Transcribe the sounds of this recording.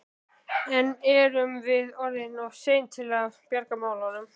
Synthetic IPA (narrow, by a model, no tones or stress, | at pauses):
ɛnɛɾʏmvɪðɔɾðɪnɔɣseːjnt̪ʰɪlavpjaɾkamaːwlawnʏm